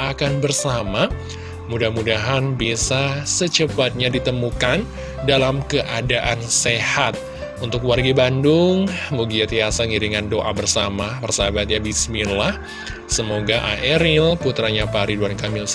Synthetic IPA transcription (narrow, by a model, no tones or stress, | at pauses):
akanbərsama | mudahmudaɦanbisasət͡ʃəpat̪̚ɲadit̪əmukan | dalamkəʔadaʔansehat̪̚ | unt̪ʊkwarɡibandʊŋmuɡiat̪iasaŋiɾiŋandoʔabərsamapərsabat̪̚ɲabisminlah | səmoɡaʔa̰ʔɛɾɪlput̪ɾaɲapaɾiduankamɪls